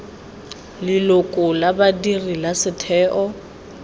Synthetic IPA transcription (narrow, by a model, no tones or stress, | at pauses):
lɪlʊkʼʊlabadirilasɪtʰɛːʔɔ